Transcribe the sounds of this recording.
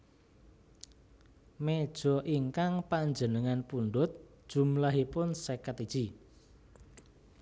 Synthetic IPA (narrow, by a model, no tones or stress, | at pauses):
med̥ʒ̥ɔ̤ʔiŋkaŋpaɲd͡ʒənəŋanpuɳɖʊt̪̚d̥ʒ̥ṳmlaɦipʊnsekat̪i̥ʒ̥i